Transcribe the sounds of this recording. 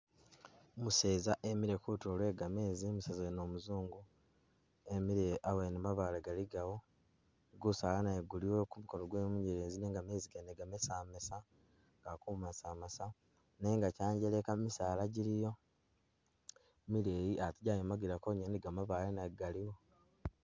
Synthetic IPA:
muse̞ːzaʔemiɾekutulwe̞ːɡame̞ːzimuseːzaeno̞ːmuzuːŋɡu | emiɾeʔawenemaβaleɡaliɡawo | ɡusalanajeɡuliwo̞kumukoloɡweːmuɲeɾeːzine̞ːŋɡame̞ːziɡeneɡamesaːmesa | ŋɡakuːmasaːmasa | ne̞ŋɡacaːɲɟelekamisaːlaɟiɾijo̞ | milejiʔatiɟajomaɡiɾakoɲeniɡamaβalenaɡaliwo̞

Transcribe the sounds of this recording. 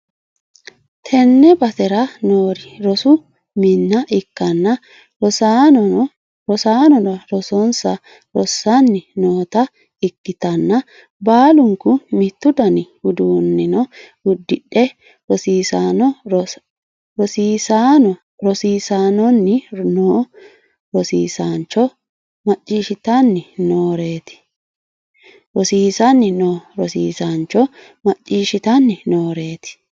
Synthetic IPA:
t̪ʰɛnːɛbɐt̪ɛɾɐnoːɾɪɾɔsʊ | mɪnːɐʔɪkːɐnːɐ | ɔsa | ɾɔsaːnɔnɔɾɔsɔnsɐ | ɾɔsːɐnːɪnoːt̪ɐ | ɪkːɪt̪ɐnːɐ | baːlʊŋkʊmɪt̪ːʊd̪ɐnɪhʊd̪uːnːɪnɔ | ʊd̪ːɪɗɛ | ɾɔsiːsaːnɔ | ɾɔsiːsaːnɔ | ɾɔsiːsaːnɔnːɪnoː | ɾɔsḭːsant͡ʃːɔ | mɐt͡ʃʼːiːʃɪt̪ɐnːɪnoːɾeːt̪ɪ̥ | ɾɔsiːsɐnːɪnoːɾɔsḭːsant͡ʃːɔ | mɐt͡ʃʼːiːʃɪt̪ɐnːɪnoːɾe̞ːt̪ɪ̥

